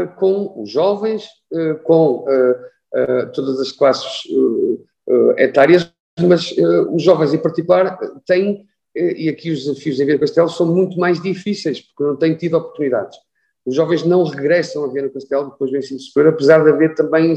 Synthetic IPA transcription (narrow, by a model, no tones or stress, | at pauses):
kõuʒːɔvẽj̃ʃ | ɛkõɛ | ɛt̪oðɐzɐʃklˠasɨ̥ʃu | ɛ̰ɛ̰t̪aɾiɐʃ | mɐzɛuʒːɔvɐ̃j̃zẽpɐɾt̪ikulˠaɾɛ̰t̪ɐ̃j̃ | ɛʔiɐkiuʒðɨzɐfiuzẽvenukɐʃt̪ɛlˠsɐ̃w̃mũj̃t̪umajʒðifisejʃpuɾknɐ̃w̃t̪ɐ̃j̃t̪iðɔpuɾt̪uniða̰ðʃ | uʒːɔvẽj̃ʒnɐ̃w̃ʁɨɣɾɛsɐ̃w̃ɐviɐnukɐʃt̪ɛlˠd̪ɨpojʒvɐ̃j̃sĩðsu̥pɾoɾɐpɨzaɾðɐveɾt̪ɐ̃mbɐ̃j̃